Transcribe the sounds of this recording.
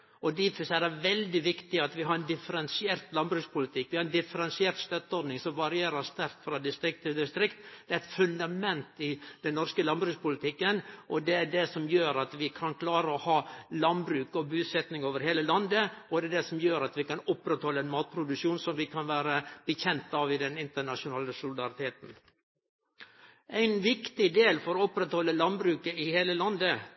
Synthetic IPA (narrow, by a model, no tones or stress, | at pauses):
ɔd̪ɪfsæd̪æʋɛld̪ɪʋɪkt̪ɪɑt̪ʋɪɦɑɾɛnd̪ɪfəɾɛnsɪeːɾt̪lɑnbɾʉːkspʰʊlɪt̪ʰɪkːʋɪhɑɾɛnd̪ɪfəɾɛnsɪeːɾt̪st̪œt̪ːɔɾɖnɪŋsɔmʋɑɾɪeːɾəst̪æɾk̪fɾɑd̪ɪst̪ɾɪk̚t̪ʰɪld̪ɪst̪ɾɪkt̪d̪̥ɛæɛt̪fʉnd̪ɑmɛnt̪ɪd̪ɛnːɔɾskəlɑnbɾʉːkspʊlɪt̪ʰɪkːənʔɔd̪ɛæɖɛsɔmjøːɾɑt̪ʋɪkʰɑnkʰlɑːɾəɔhɑːlɑnbɾʉːkɔbʉːsɛt̪nɪŋoːʋəɾheːləlɑnd̪əɔd̪ɛæd̪ɛsɔmjøːɾɑt̪ʋɪkɑnɔpɾɛt̪hɔlːəæɪnmɑːt̪̚pʰɾʊd̪ʉʂuːnsɔmʋɪkʰɑnʋæːɾəb̥əçɛnt̪ɑʋɪd̪ɛnɪnt̪əɳɑʂʊnɑːləsʊlɪd̪ɑɾɪt̪ʰeːt̪n̩ | æɪnʋɪkt̪ɪd̪eːlfɔɾɔpɾɛt̪hɔlːəlɑnbɾʉːkəɪheːləlɑnd̪ə